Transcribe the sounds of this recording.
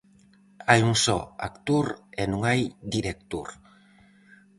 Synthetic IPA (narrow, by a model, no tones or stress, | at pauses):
ajuŋsɔa̰kt̪uɾenũŋajd̪iɾek̚t̪uɾ